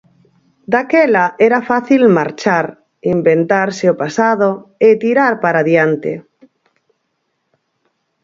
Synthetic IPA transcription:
d̪akɛlaʔɛɾafaθilmaɾt͡ʃaɾ | imbent̪aɾseopasaðoet̪iɾaɾpaɾaðjant̪ḛ

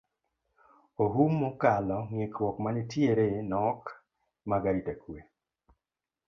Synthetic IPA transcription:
oɦumːɔkalɔŋɪkwɔkmanɪtjeɾenɔk | maɡaɾitakwe

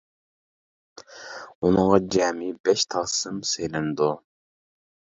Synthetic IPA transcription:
unɨŋʁɑd͡ʒæːmibɛʃt̪ʰɑːsɨmsejlɪnd̪u

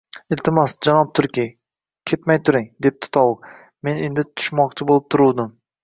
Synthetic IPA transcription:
ɪlt̪ɪmɒsd͡ʒanɒp̚t̪ʰʊɾkʲi | kʲʰe̞t̪majt̪ʰʊɾɪŋd̪e̞p̚t̪ʰɪ̥t̪ʰɒwʊ | me̞ne̞nd̪ɪt̪ʰʊ̥ʃmɒqt͡ʃʰɪbolˠɪp̚t̪ʰʊɾuwd̪ɪm

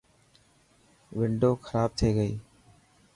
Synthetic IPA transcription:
ʋɪɳɖoːkʰəɾaːb̚t̪ʰeːɡəiː

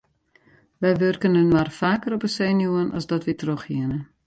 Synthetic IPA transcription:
ʋɛjʋørkənənʋarfaːkəɾɔpəseːnjuənʔɔ̰szdɔtʋɛtroxhiənə

